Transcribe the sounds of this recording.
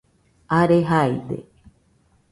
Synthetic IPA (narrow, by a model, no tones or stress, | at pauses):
aɾeɦajd̪ḛ